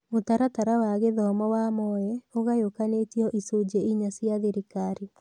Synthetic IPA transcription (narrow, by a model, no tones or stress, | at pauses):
otaɾataɾawaɣeðɔmɔwamɔɛoɣajokanetiɔʔisud͡ʒeiɲasjaðeɾikaɾi